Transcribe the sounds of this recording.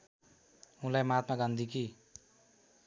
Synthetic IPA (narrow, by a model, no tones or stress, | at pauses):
ɦũlajmat̪maɡand̪ʱiki